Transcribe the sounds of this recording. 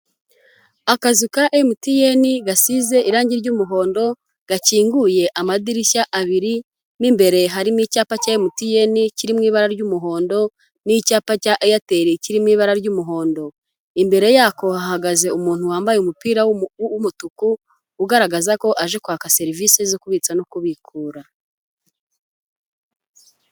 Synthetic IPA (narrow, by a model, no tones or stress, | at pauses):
akazikaʔemutije̞niɡasize̞ʔiɾaːɲɟiɾɟumuɦo̞ːndo̞ | ɡ̥aciːŋɡuje̞ʔamadiɾiçaʔaβiɾi | nimbe̞ɾe̞ɦaɾinicaːpacajemutije̞niciɾimŋiːβaɾaɾɟumuɦo̞ːndo̞ | nicaːpacaʔjate̞ɾeciɾimŋiːβaɾaɾɟumuɦo̞ːndo̞ | imbe̞ɾe̞jaːko̞hahaɡaze̞umuːn̥huwaːmbajeumupiːɾaumutukuː | ɡaɾaɡazako̞ʔaʒekwaːkase̞ɾivisezo̞kuβit͡sanokuβikʰuːɾa